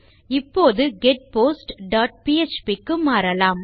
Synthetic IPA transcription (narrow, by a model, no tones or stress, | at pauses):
ɪpːoːðɯɡɛʈ̚poːsʈɖaːʈ̚piːɛt͡ʃpikːɯmaːɾɐlaːm